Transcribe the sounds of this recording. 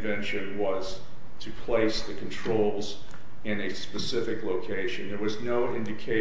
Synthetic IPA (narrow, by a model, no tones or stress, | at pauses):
vɛ̃nʃɨ̃nwʌz̥ | tʰɨpʰl̥eɪsðɨkʰn̩tʰɹ̥oʊlˠz | ɨ̃nɨspɨsɪfɨkloʊkʰeɪʃɨ̃nðə˞wʌznoʊʔɪ̃ndɨkʰeɪ